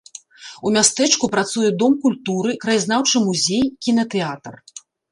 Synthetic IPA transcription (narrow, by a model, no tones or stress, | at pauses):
umʲast̪ɛt͡ʂkupɾat̪sujɛd̪ɔmkulʲt̪uɾɨkɾɐjaznawt͡ʂɨmuzʲejkʲinɐt̪ɛat̪r